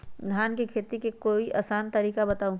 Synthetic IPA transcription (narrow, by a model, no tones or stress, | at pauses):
d̪ʱaːnkikʰeːt̪ikekoːiʔɐ̰saːnt̪ɐɾiːkabɐt̪aːũ